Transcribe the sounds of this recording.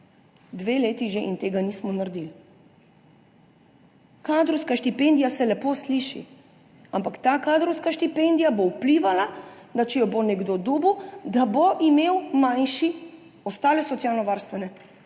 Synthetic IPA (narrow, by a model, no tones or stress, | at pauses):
d̪ʋeːleːt̪iʒeʔint̪eːɡaniːsmɔnaɾd̪il | kad̪ɾɔwskaʃt̪ipend̪ijasɛlɛpoːsliʃḭ | ampakt̪aːkaːd̪ɾɔwskaʃt̪ipend̪ijabowpliːʋalad̪at͡ʃɛjɔbonɛɡd̪od̪uːbud̪aboʔimeːwmanʃi | ɔst̪aːlɛsɔt̪sijaːlnɔʋaɾst̪ʋɛnɛ